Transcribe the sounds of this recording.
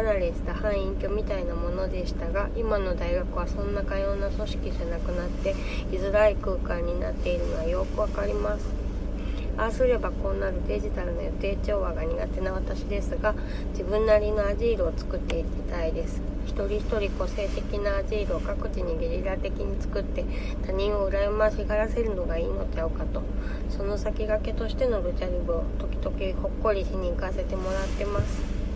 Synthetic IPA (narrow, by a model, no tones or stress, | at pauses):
anaɾʲise̥t̪ahãɰ̃ĩŋkʲo̞mʲit̪ainamo̞no̞d̪e̞ɕi̥t̪aɡaʔimano̞d̪aiɡakɯ̟β̞asõ̞nːakajo̞ːnaso̞ɕi̥kʲiʑanakɯ̟nat̪ːe̞ | izɨɾaikɯ̟ːkãɲ̟ːina̰t̪ːe̞iɾɯ̟no̞βajo̞kɯ̟βakaɾʲimasɨ̥ | asɨɾe̞bako̞ːnaɾɯ̟d̪e̞ʑit̪aɾɯ̟nojot̪e̞ːt͡ɕo̞ːβaɡaɲ̟iɡa̰t̪e̞naβat̪aɕid̪e̞sɨɡa | d͡ʑibɯ̟̃nːaɾʲino̞aʑiːɾoːt͡sɨ̥kɯ̟t̪ːe̞iɾɯ̟it̪aid̪e̞sɨ̥çi̥t̪o̞ɾʲiçi̥t̪o̞ɾʲiko̞se̞ːt̪e̞kʲinaːʑiːɾoːkakɯ̟̥t͡ɕiɲ̟iɡeɾʲiɾat̪e̞kʲiɲ̟it͡sɨ̥kɯ̟t̪ːe̞ | t̪aɲ̟ĩɰ̃o̞ɯ̟ɾajɯmaɕiɡaɾase̞ɾɯ̟no̞ɡaiːno̞t͡ɕaokat̪o̞ | so̞no̞sakʲiɡake̞t̪o̞ɕi̥t̪e̞no̞ɾɯ̟t͡ɕaɾʲibo̞t̪o̞kʲi̥d̪o̞kʲiho̞kːo̞ɾʲiɕiɲ̟ĩkase̞t̪e̞mo̞ɾat̪ːe̞masɨ̥